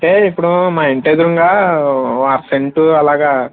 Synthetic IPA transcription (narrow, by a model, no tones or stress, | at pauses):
ɳʈeːipːuɽumaːeɳʈeːd̪uɾuŋɡaː | aɾseɳʈuɐlaːɡaː